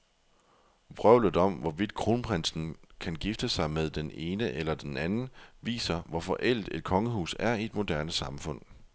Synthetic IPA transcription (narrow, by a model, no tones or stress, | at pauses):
ʋʁœʊ̰lð̩ˠɒ̽m̰ʋɒʋid̥̚kʰʁo̝ːnpʰʁensn̩kʰænɡ̥ifd̥əsɑ̈ɪmeðˠd̥ene̝ːnəʔelɐd̥enænn̩ʋḭːsɐʋɒfɒʔel̰d̥e̝d̥̚kʰɒ̽ŋəhṵːsæɐied̥mo̝d̥æɐnəsɑ̈mfɔ̽n̰